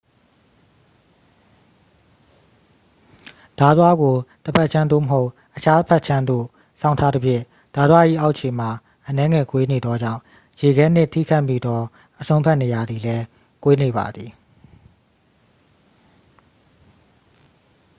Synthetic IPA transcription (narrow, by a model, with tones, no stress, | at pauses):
d̥a˨t̪wa˦ɡo˨t̪əpʰa˦ʔt͡ɕʰã˦nd̪o̰˦˨məɦo˦ʊʔ | ʔət͡ɕʰa˦t̪əpʰɛ˦ʔt͡ɕʰã˦nd̪o̰˦˨ | sã˦˨ʊ̃ntʰa˦d̪ə˦pʰjɪ̰̃˦˨ | d̥a˨d̪wa˦ʔḭ˦˨ʔa˦ʊʔt͡ɕʰe˨m̥a˨ | ʔənɛ˦ŋɛ˨kwe˦ne˨d̪ɔ˦d͡ʑã̰˦˨ʊ̃ | je˨ɡɛ˦n̥ɪ˦ʔtʰḭ˦˨kʰa˦ɪʔmḭ˦˨d̪ɔ˦ | ʔəsʰõ˦ʊ̃mpʰa˦ʔne˨ja˨d̪ði˨lɛ˦ | kwe˦ne˨ba̰˨d̪ði˨